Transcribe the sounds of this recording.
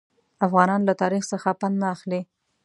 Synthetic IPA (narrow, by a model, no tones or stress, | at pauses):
afɣɑnɑnlat̪ɑɾixsəxapannaːxli